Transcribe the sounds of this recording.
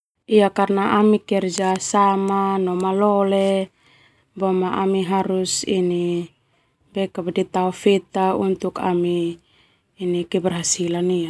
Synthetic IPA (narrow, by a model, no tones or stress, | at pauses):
iakarnaʔamikɛrd͡ʒasamanɔmalɔle | bɔmaʔamiɦaɾusḭni | bɛkabadit̪aufɛt̪aunt̪uka̰miː | nikɛbɛrɦasilania